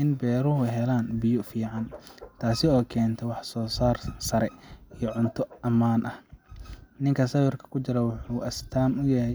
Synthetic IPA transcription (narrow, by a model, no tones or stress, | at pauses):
ʔɪnbɛːɾʊɦʊɦɛlaːnbɪjʊfiːʕɑnt̪ʰaːsɪɔːkʰɛːnt̪ʰɔwɑħsɔːsaːrsɐɾɛijɔʕʊnt̪ʰɔʔɐmaːnʔɐh | nɪŋkʰɐsɐwɪrkʰɐ̥kʰʊt͡ʃɪɾɐwʊħuːʔɐst̪ʰaːmʊjɐɦɛj